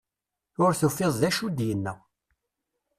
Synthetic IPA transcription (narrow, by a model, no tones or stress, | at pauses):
ʊɾθufːɪðˤðæʃud̪jənːə